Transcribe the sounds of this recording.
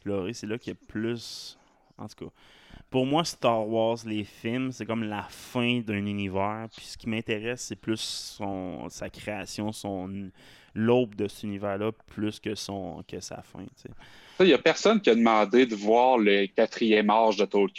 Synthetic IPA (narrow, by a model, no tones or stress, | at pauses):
flɔʁiselʌkʲjəplʏs | ɑ̰̃t̪u̥kʰʌ | pʊʁmwast̪ɑʁwɑʁzlefɪlmsɛkɔmlafɛ̃d̪œ̃nynivæːʁpi̥sə̥kʲimɛ̃t̪eʁɛsːɛplysɔ̰̃sakχeasjɔ̃sɔ̃n | lɔp̚d̪əsynivæːʁlʌpʰlyskʲəsɔ̃kʰʲəsa̰fɛ̰̃t͡sḛ | səjɐpɛʁsɔnkʲiad̪əmɑ̃ːd̪ed̪əvwaːʁləkʲat̪χijɛmaʁʒd̪ət̪olk